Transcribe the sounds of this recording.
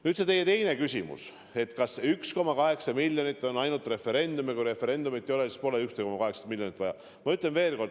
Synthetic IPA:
nyːd̪set̪e̞jːet̪e̞jnekysʲimṵs | e̞t̪kɑsyksko̞mɑkɑɦe̞ksɑmilʲjonit̪ːˑo̞nɑjnult̪re̞fe̞ɾe̞nd̪umikuɾe̞fe̞ɾe̞nd̪umit̪ːˑejoesi̥spo̞leykst̪ejkomɑkɑɦe̞ksɑ̥milʲjonit̪ːˑvɑjɑ̰ | mɑyt̪ˑlenve̞ːlko̞rd̪

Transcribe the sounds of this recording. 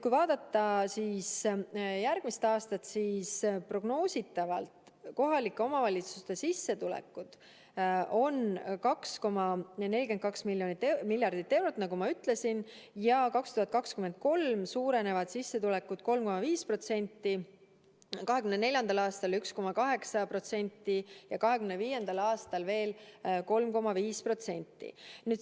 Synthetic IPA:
kujvɑːd̪̥ɑt̪ːɑsiːsjærɡ̥mist̪ɑːst̪ɑt̪siːspro̞ɡ̥no̞ːsʲit̪ːˑɑvɑ̰lt̪ | ko̞ɦɑlikːˑe̞o̞mɑvɑlʲit̪su̥st̪e̞sisːe̞t̪ulḛkːˑud̪̥ | ʔo̞nkɑksko̞mɑne̞lʲike̞n̚kɑksmilʲjo̞nit̪ːˑemilʲːjɑrd̪̥it̪ːˑe̞wɾo̞t̪ːˑnɑɡumɑyt̪ˑle̞sin | jɑkɑkst̪uhɑt̪̚kɑkskyme̞nd̪̥̚ko̞lmsuːɾe̞ne̞vɑd̪̥sisːe̞t̪ulɛkːˑud̪̥ko̞lmko̞mɑviːspro̞t̪se̞nʲt̪ːi | kɑɦe̞kymnene̞lʲjɑnd̪ɑlɑːst̪ɑlyksko̞mɑkɑɦe̞ksɑpro̞t̪se̞nʲt̪ːˑijɑkɑɦe̞kymneviːje̞nd̪̥ɑlɑːst̪ɑlve̞ːlko̞lmko̞mɑviːspro̞t̪se̞nʲt̪ˑːḭnyːd̪

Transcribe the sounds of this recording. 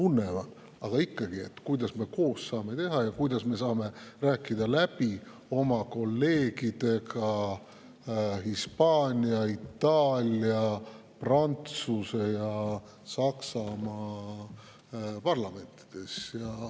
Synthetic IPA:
t̪unːevɑd̪ | ɑɡ̥ɑikːɑɡ̥iḛt̪ːˑkujd̪̥ɑsme̞ko̞ːsːɑːme̞t̪e̞ɦɑjɑkujd̪̥ɑsme̞sɑːme̞ræːkːˑid̪ɑlæb̥i | o̞mɑko̞lːe̞ːɡ̥id̪̥e̞ɡɑ | hispɑːnʲiɑit̪ːɑːlʲiɑ | prɑnt̪suse̞jɑ | sɑksɑmɑ | pɑrlɑme̞nt̪ːˑi̥d̪̥e̞sjɑ

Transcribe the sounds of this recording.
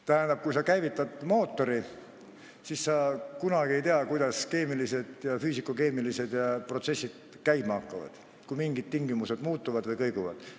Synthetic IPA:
t̪æɦænd̪ɑb̥̚kujsɑkæjvit̪ːˑɑd̪mo̞ːt̪ːo̞ɾi | sisːɑkunɑɡ̥ie̞jt̪eɑkujd̪̥ɑske̞ːmilise̞d̪̥jɑfyːsikuke̞ːmilise̞d̪̥jɑpro̞t̪se̞sːid̪̥̚ | kæjmɑɑkːɑvɑ̰d̪̥ | kujmiŋɡid̪̥̚t̪ːiŋɡimuse̞d̪muːt̪ːˑuvɑd̪vɤjkɤjɡ̥uvɑ̰d̪̥

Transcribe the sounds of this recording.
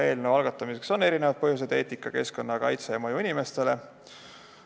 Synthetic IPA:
e̞ːlnevɑlɡ̥ɑt̪ːˑɑmise̞kso̞ne̞ɾinevɑd̪̥̚pɤɦjus̬e̞d̪̥e̞ːt̪ːˑikːˑɑke̞sko̞nːɑkɑ̰jt̪sejɑmɤjuinime̞st̪e̞le̞

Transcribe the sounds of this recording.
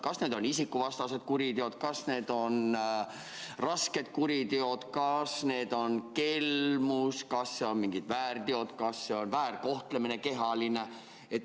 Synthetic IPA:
kɑsne̞ːd̪o̞nisikːuvɑst̪ɑse̞d̪̥kuɾid̪eo̞d̪̥kɑsne̞ːd̪o̞n | rɑske̞d̪̥̚kuɾit̪eo̞d̪̥kɑsne̞ːd̪̥o̞nke̞lmuskɑsːe̞o̞nmiŋɡ̥id̪væːrt̪eo̞t̪kɑsːe̞o̞nvæːrko̞ht̪lemineke̞ɦɑline | et̪

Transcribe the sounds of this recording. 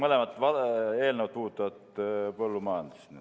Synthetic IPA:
molemɑt̪ːʋɑeːlneʋɑt̪uːt̪ːˑɑʋɑt̪polːumɑːnd̪isny

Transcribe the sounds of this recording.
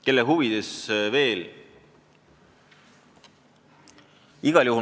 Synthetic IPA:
ke̞lːeɦuvid̪̥esve̞ːl | iɡ̥ɑljuɦu

